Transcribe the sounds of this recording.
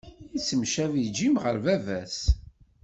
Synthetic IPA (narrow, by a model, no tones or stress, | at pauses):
nt͡sːəmʃævid͡ʒimʁəɾvævæs